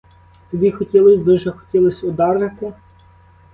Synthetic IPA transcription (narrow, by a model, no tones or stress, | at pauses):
t̪ɔbʲixɔtʲilˠɪsʲd̪uʒɛxɔ̥tʲilˠɔsʲʊd̪ɑrnet̪ɪ